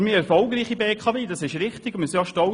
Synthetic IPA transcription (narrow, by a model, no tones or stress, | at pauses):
miːɛɾfɔlɡɾiːχibeːkʰɑveːd̥ɑsɪʃɾɪχtɪɡʊmɪsɑʃtɔ